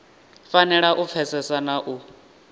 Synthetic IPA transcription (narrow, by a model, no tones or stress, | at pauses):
fanɛɺaʔup̪fʰɛsɛsanaʔu